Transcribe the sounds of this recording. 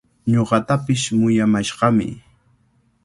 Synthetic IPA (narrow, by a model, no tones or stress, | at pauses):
ɲoɢɑt̪apɪsmʊjamaʃɢɑmɪ̰